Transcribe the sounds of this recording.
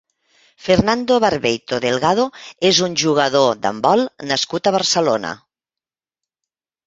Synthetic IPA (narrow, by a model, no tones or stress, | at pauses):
feɾnand̪oβaɾβejt̪oðelˠɣað̞oezunʲʒuɣ̞əðod̪a̰mbɔlˠnaskut̪əβ̞əɾsəlonə̰